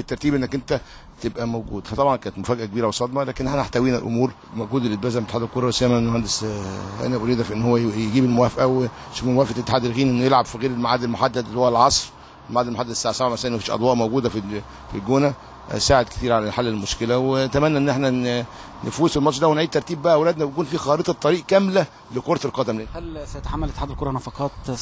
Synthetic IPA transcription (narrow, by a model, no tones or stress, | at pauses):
et̪ːɑɾˤt̪iːbʔenːækʔent̪æ | t̪ebʔæmowɡuːd̪fæt̪ˤɑbʕɑnkæːnet̪mofæːɡʔækebiːɾæwesˤɑd̪mɑlæːkenʔeħnæaħt̪æwiːnæ̰lʔo̰muːɾ | moɡuːd̪elʔet̪̚bæːzæmt̪eħaːd̪elkoɾˤɑwesæjːæmænmohænd̪esʔæ̰næʔoɾiːd̪æfiʔenːhowːæjeɡiːbelmowæːfʔæwe | ʃomemowæːfʔæet̪ːe̥ħaːd̪elɣiːnʔenːjelʕabfiɣeːɾelmaʕad̪ːelmoħad̪ːæd̪lhowælʕɑsˤɾ | elmaʕad̪elmoħad̪ːæd̪saːʕsæbʕamæsælːænmæfiːʃʔɑ̰d̪ˤwɑːʔmowɡuːd̪æfi | filɡoːnæ | saːʕed̪̚ke̥t̪iːɾʕalæħalːelmoʃkelæwet̪æmænːæʔenːʔeħnæ | nefuːselmɑt̪ˤɾd̪æwenʕiːd̪̚t̪ɑɾˤt̪iːbːæʔæwelæːd̪næbjkuːnfiːxɑɾet̪ˤɑt̪ˤːɑɾiːʔkæmlæ | lekoɾˤɑt̪elqɑd̪æmleːnhælsæjet̪aħamːælʔet̪ːeħaːd̪elkoɾˤɑnɑfɑqɑːt̪